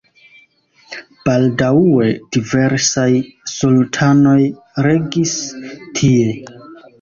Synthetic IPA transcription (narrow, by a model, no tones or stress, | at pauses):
b̥aldaue̞d̥ive̞ɾsajsultʰano̞j | ɾe̞ɡistʰie̞